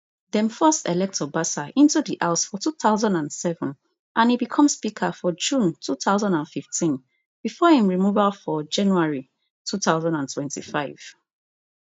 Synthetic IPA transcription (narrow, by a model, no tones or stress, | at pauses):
ðɛ̃mfɜstɛlɛk̚tʰɔbasaʔĩntudiʔaʊsfɔtʰuːθaʊzãndãnsɛvə̃n | ʔãnhibikʰɔ̃mspikʰəfɔd͡ʒũntʰuθaʊzãndãnfiftʰĩn | b̥ifɔhĩmɹimuvalfɔd͡ʒãnjuaɹi | tʰuθaʊzãndãntʰwɛ̃ntḭfaɪv̥